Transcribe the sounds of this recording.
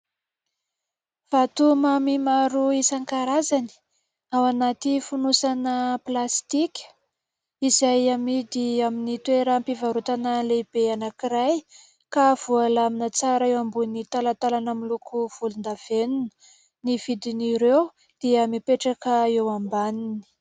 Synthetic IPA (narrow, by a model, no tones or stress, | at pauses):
v̥at̪umamimaɾuisaŋkaɾazani̥ | awanat̪ifunusanəplast̪ikʲə̥ | izajamid̪iaminit̪weɾəmpivaɾut̪anəlebeanakiɾaj | kav̥ualaminət͡saɾəewambunit̪alat̪alanamilukʰuv̥ulund̪av̥enunə̥ | niv̥id̪iniɾew | d̪̥iəmipeʈ͡ʂakəewambanini̥